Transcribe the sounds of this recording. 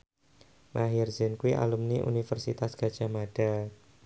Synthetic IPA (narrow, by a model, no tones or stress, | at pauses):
maɦirzɪnkuiʔa̰lumniʔṵnifərsit̪asɡ̥a̤d̥ʒ̥amad̥a